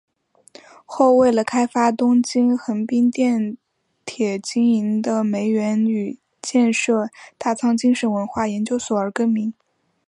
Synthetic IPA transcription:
xo˥˧ʊwe˥˩ɪlə˩kʰa˥ɪfa˥t̪ʊ˥ŋt͡ɕi˥nxə˧˥ŋpi˥ŋt̪jɛ˥˩n | t̪ʰjɛ˨˩t͡ɕi˥ŋi˧˥ŋd̪ə˧me˧˥ɪɥɛ˧˥ny˨˩ | t͡ɕjɛ˥˧nʂɤ˥˧t̪a˥˩t͡sʰɑ˥ŋt͡ɕi˥ŋʂə˧˥nwə˧˥nxwa˥˩jɛ˧˥nt͡ɕjo˥ʊswɔ˨˩ə˞˧˥kə˥nmi˧˥ŋ

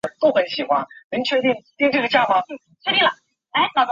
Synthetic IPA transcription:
t̪o˥ʊxə˧˥nɕi˨˩xwa˥nnə˧˥ŋt͡ɕʰɥɛ˥˧t̪i˥˩ŋt̪i˥˧ŋʈ͡ʂɤ˥˩ɡə˩t͡ɕja˥˩mɑ˧˥˩ | t͡ɕʰɥɛ˥˧t̪i˥˩ŋlɐ˨˩ | a˧˥ɪnʰ˨˩˥

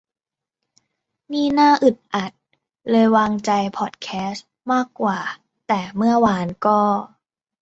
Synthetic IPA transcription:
niː˥˩naː˥˩ʔɯ˨˩t̪̚ʔa˨˩t̪̚ | lɤː˧jwaː˧ŋt͡ɕa˧jpʰɔ˨˩t̪̚kʰɛː˦˥s | maː˥˩kːwaː˨˩ | t̪ɛː˨˩mɯ˥˩ɐwaː˧nkɔː˥˩

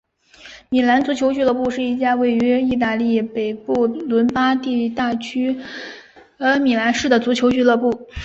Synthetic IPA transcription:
mi˨˩la˧˥nt͡su˧˥t͡ɕʰjo˧˥ʊt͡ɕy˥˧lɤ˥˧pu˥˧ʂɻ̩˥˧i˥˩t͡ɕja˥˧we˥˩ɪy˧˥i˥˧t̪̬a˥˧li˥˩pe˨˩ɪpu˥˩lwə˧˥npa˥t̪i˥˧t̪a˥˩t͡ɕʰy˥˧˥ | mi˨˩la˧˥nʂɻ̩˥˩d̪ə˩t͡su˧˥t͡ɕʰjo˧˥ʊt͡ɕy˥˧˥lɤ˥˧pu˥˩

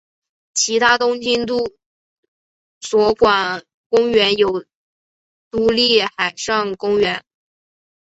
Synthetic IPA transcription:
t͡ɕʰi˧˥t̪ʰa˥t̪ʊ˥ŋt͡ɕi˥nt̪u˥˩ | swɔ˧˥kwa˨˩n | kʊ˥ŋɥɛ˧˥njo˨˩ʊ | t̪u˧˥li˥˩xa˨˩ɪʂɑ˥˩ŋkʊ˥ŋɥɛ˧˥n

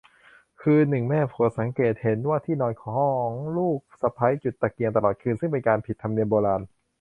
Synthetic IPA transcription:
kʰɯː˧nɯ˨˩ŋmɛː˥˩pʰu˨˩˦t̪̚sa˩˦ŋkeː˨˩t̪̚he˩˦nwaː˥˩t̪ʰiː˥˩nɔː˧nkʰɔː˩˦ɦɔ˥˩˦ŋluː˥˩k̚sa˧pʰa˦˥jt͡ɕu˨˩t̪ːa˨˧˩ki˧ŋt̪a˧lɔː˨˩t̪̚kʰɯː˧nsɯ˥˩ŋpe˧nkaː˧npʰi˨˩t̪ʰːa˧ni˧əmboː˧laː˧n

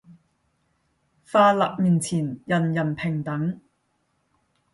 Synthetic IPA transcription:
faː˧la̰ː˨k̚miː˨nt͡sʰiː˨˩njɐ˨˩njɐ˨˩npʰɪ˨˩ŋt̪ɐ˨˥ŋ

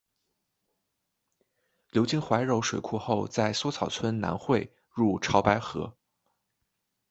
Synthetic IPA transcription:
ljo˧˥ʊt͡ɕi˥ŋxwa˧˥ɪɻo˧˥ʊʂwe˨˩ɪkʰu˥˧xo˥˧ʊt͡sa˥˩ɪswɔ˥t͡sʰɑ˨˩ʊt͡sʰwə˥nna̰˧˥nxwe˥˧ɪ | ɻu˥˩ʈ͡ʂʰɑ˧˥ʊpa˧˥ɪxɤ̰˧˥

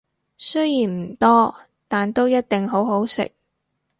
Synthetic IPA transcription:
sɵ˥jjiː˨˩nm̩˨˩t̪ɔː˥ | t̪aː˨nt̪o˥wjɐ˥t̚t̪ɪ˨ŋɦo˨˥wɦo˨˥wsɪ̰˨k̚

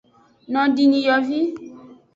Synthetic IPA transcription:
nɔ̃˨ɖi˨ɲĩ˨jɔ˨vi˦

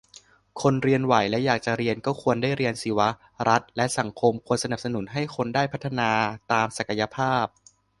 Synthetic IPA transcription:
kʰo˧nɾi˧ənwa˨˩˦jlɛ˦˥jaː˨˩k̚t͡ɕa˨˩ɾi˧ənkɔː˥˩kʰu˧əndaː˥˩jɾi˧ənsi˩˦wa˦˥ | ɾa˦˥t̪̚lɛ˦˥ʔsa˩˦ŋkʰo˧mkʰu˧ənsa˧na˨˩p̚sa˧nu˩˦nɦa˥˩jkʰo˧ndaː˥˩jpʰa˦˥t̪ʰːa˧naː˧t̪aː˧msa˨˩ka˧ja˧pʰaː˥˩p̚

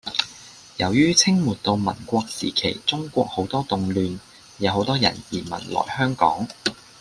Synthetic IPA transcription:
jɐ˨˩wjyː˥t͡sʰɪ˥ŋmuː˨˩tt̪o˧wmɐ̰˨˩nkʷɔː˧k̚sḭː˨˩kʰḛ˨˩jt͡sʊ˥ŋkʷɔː˧k̚ho˨˥wt̪ɔː˥t̪ʊ˨ŋlyː˨˧n | jɐ˨˧wɦho˨˥wt̪ɔː˥jɐ̰˨˩njiː˨˩mɐ̰˨˩nlɔ̰ː˨˩jhœː˥ŋkɔ̰ː˨˥ŋ

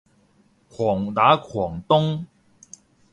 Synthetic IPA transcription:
kʰwɔ˨˩ŋna˨˦kʰwɔ˨˩ŋt̪ʊ˥ŋ

